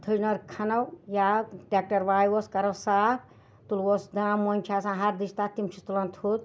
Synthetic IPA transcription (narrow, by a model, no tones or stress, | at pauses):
t̪ʰɨd͡ʒnɐɾkʰɐnɐwjaʈek̚ʈɐɾʋaːjwoskɐɾɐwsaːp̚ | t̪ulwosd̪ãmːonʲt͡ʃʰaːsãːɦɐɾd̪isʰt̪at̪imt͡ʃʰut̪ulɐnt̪ʰut̪̚